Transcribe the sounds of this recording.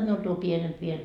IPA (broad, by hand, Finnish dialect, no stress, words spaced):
miul tuo pienemp ʋiel